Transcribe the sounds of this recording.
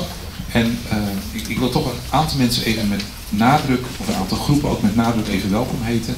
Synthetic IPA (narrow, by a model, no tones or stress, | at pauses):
ɛn | ɪkʋɪlˠtɔχənʔaːntɑlˠmɛnsənejvənmɛt | naːdrɵkɔfəna̰ːntɑlˠχrupəno̰wk̚mɛtnaːdrəkejvənʋɛlˠkɔmɦejtə